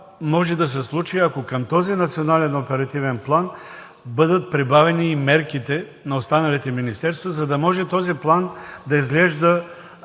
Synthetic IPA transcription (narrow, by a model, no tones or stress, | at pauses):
mɔʒɛd̪ɐsɛslˠut͡ʃiɐkokəmt̪ɔzinɐt̪sionalɛnopɛɾɐt̪ivɛnplˠan | bɤd̪ət̪̚pɾibavɛniːmɛɾkit̪ɛ | nɐost̪anɐlit̪ɛminist̪ɛɾst̪vəzɐd̪ɐmɔʒɛt̪ɔziplˠand̪ɐizɡlɛʒd̪ə